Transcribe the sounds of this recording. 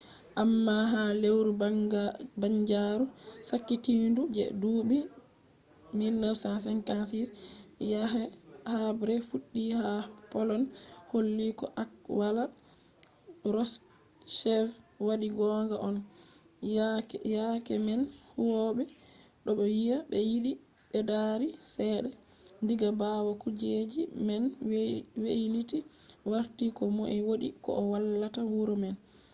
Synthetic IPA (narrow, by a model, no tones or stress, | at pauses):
ʔamːaɦalewɾuabaɲd͡ʒaɾusakːitindud͡ʒɛ̰duːɓi | milːəɾsans̬ɛnkansisjahabɾɛfuɗːihapɔlɔnholːikɔ̰ʔakwala | ɾɔs | ʃɛfwaɗiɡɔŋɡaʔɔn | jakɛmɛnhuwɔɓɛ | ɗɔɓɔjijabɛjiɗi | ɓɛdaɾisɛɗɛ | ndiɡabawakud͡ʒed͡ʒimɛnwwejliti | waɾtikɔmoʔiwoɗikɔ̰ʔɔwalːatawuɾɔmɛn